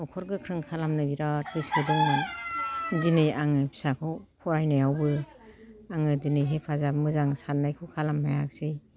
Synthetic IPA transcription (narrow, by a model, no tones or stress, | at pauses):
ɔkʰɔɾɡɯkʰɾɯŋkʰalamnɯbiɾaɯsɯdɯŋɯ | dinɯjaŋɯpʰi̥sakʰɯwpʰɔɾajnajawbɯ | aŋɯdinɯjɦepʰazamɯzaŋsaɾnajkʰɯkʰalamhajak̚sɯj